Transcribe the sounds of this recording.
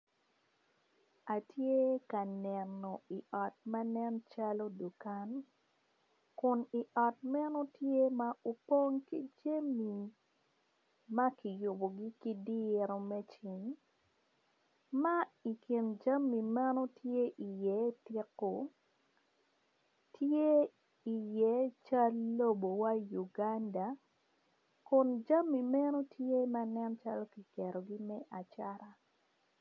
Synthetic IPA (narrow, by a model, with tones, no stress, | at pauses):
a˨tʰje˦ka˨nɛ˨no˨i˨ʔɔ˨t̚ma˦nɛ˦nt͡ʃalo˦du˨ka˦n | kʊ˨ni˨ʔɔ˨tmɛ˦no˦tje˦ma˦ʔo˨po˦ŋki˦d͡ʒe˦mi˨ | ma˦ki˨jʊ˨bo˨ɡi˦ki˦di˦ɾo˨mɛ˦t͡ʃi˨ŋ | ma˦i˨kɪ˨nd͡ʒa˦mːi˨ma˦no˦tʰje˦ʔi˨jɛ˨˦tɪ˦ko˨ | tje˦ | i˨jɛ˨˦t͡ʃa˦lːo˦bo˨wa˦ju˨ɡa˦nda˨ | kʊ˨nd͡ʒa˦mːi˨mɛ˦no˦tʰje˦ma˦nɛ˦nt͡ʃa˦lo˦ki˨kɛ˨ɾo˨ɡi˦mɛ˦ʔa˨t͡ʃa˦ɾa˨